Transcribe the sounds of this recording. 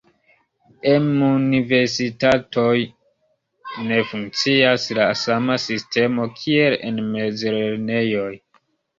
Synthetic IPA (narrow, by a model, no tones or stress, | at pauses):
emunive̞ɾsitato̞j | ne̞fuŋk̚t͡siaslasamasistʰe̞mo̞kʰie̞lḛnme̞d͡zleɾne̞jo̞j